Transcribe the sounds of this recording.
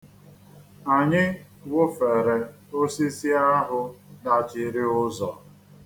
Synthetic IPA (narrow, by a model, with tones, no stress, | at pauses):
a˨ɲɪ˦ | wʊ˦fe˨ɾe˨ | o˦si˦si˦a˦ɦʊ˦na˨t͡ʃɪ˨ɾɪ˦ʊ˦zɔ˨